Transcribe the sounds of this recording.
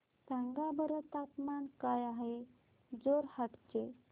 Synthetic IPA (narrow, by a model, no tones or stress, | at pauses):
t̪ãŋɡabəɾət̪at̪mankajaɦe | d͡zoɾhaʈt͡ɕe